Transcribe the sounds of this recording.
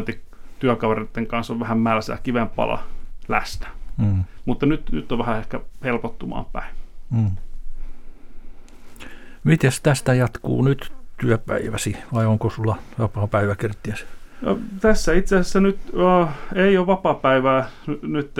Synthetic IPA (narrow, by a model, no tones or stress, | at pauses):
nt̪ːikt̪yækɑʋeret̪ːeŋkɑnsoʋʋæhæmmælsæ̰ːkiʋempɑ̰lʔɑ̰læ̰st̪æ̥ː | mut̪ːɑnyt̪ny̰t̪ːoʋʋæhæehkæhelpot̪ːumɑ̰ːmpæ̰iː | mit̪est̪æst̪æjɑt̪kṵːnyt̪t̪yøpæ̰iʋæsiʋɑioŋkosulːɑʋɑpɑːpæiʋækirt̪ːiæsno̰t̪æsːæit̪seæːˑsesːænyt̪əːeioʋʋɑpɑpæiʋæːnnyt̪ː